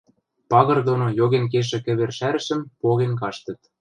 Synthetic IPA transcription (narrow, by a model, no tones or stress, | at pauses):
pɑɣɤ̆rd̪onojoɣenk̬eʃ̬ĕkɘ̆βerʃæɾɘ̆ʃə̆mpoɣenkɑʃt̪ɤ̆t̪̚